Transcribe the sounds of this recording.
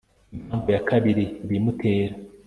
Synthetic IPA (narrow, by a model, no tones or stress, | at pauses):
imhaːɱvojakʰaβiɾiβimutʰe̞ːɾa